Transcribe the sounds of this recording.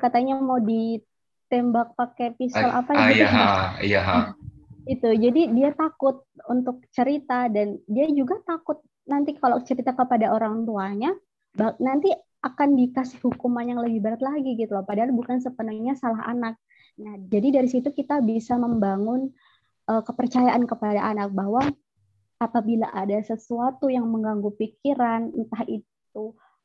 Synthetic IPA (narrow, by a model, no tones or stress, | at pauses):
kat̪aɲamawdi | t̪embak̚pakɛpisɔlʔa̰pajaaaɦ | it̪ud͡ʒadidiat̪akʊt̪̚unt̪ʊk̚t͡ʃəɾit̪adandiad͡ʒuɡat̪akʊt̪̚ | nant̪ikalot͡ʃəɾit̪akəpadaʔoɾaŋt̪uaɲa | banant̪i | akanbikasɪ̥hhukumanjaŋləbɪhbəɾət̪̚laɡiɡit̪ulapadaɦalbukans̬əpənuŋɲasalaɦa̰nak̚ | nahd͡ʒadidaɾisit̪ukit̪abisaməmbaŋʊn | ʔəːkəpərt͡ʃajaʔankəpadaʔanak̚baɦwa | apabilaʔadasəsuat̪ujaŋməŋɡaŋɡupikiɾannt̪ahit̪̚u